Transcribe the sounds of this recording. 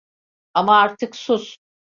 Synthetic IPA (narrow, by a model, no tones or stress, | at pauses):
amaaɾt̪ʰɯksus